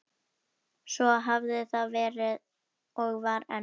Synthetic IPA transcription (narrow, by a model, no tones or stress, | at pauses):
svɔɦavðɪθaðvɛːɾɪð | ɔɣvaɾɛ